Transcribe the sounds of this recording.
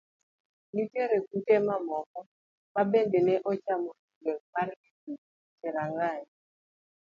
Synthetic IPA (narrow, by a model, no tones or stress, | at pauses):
nuteɾekutemamɔkɔ | mabendeneʔɔt͡ʃamoiɡɔmarkitu | t͡ʃɛɾaŋaɲ